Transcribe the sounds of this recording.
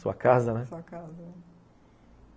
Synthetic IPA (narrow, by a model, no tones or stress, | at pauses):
suɐ̰kazɐnɛ̃suɐkazɐ